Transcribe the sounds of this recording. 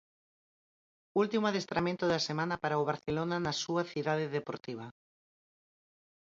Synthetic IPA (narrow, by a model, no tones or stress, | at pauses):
ult̪imaðest̪ɾʔamẽnt̪ʊðasemãnɐpaɾaoβ̞aɾθelonanasuaθiðaðeðepoɾt̪iβ̞ɐ